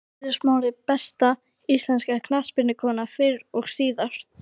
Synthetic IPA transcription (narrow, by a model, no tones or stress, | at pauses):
ðɪɾ̥smaːwlɪpɛst̪a | ist̪lɛnskakʰnaspɪɾnɪkʰɔːnafɪɾɔɣsiːðaɾ̥t̪